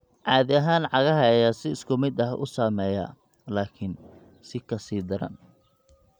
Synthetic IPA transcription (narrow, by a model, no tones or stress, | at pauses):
ʕɑːðɪɐɦaːnʕɑɣɐɦɐjasɪɪskʰʊmɪd̪ɐhʊ̰saːmɛːjɐ̰ | laːkʰɪn | sɪkʰɐsiːd̪ɐɾɐ̰n